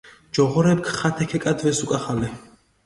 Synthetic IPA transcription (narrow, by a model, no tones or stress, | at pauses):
d͡ʒɔʁɔɾɛp̚kʰχat̪ʰɛkʰɛkʼad̪vɛsukʼaχalɛ